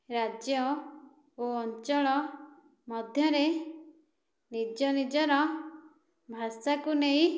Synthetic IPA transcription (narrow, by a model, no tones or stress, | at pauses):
ɾad͡ʒjɔ | oɔnt͡ʃɔɭɔ | mɔd̪ʱjɔɾe | nid͡ʒɔnid͡ʒɔɾɔ | bʱasakuneɦĩ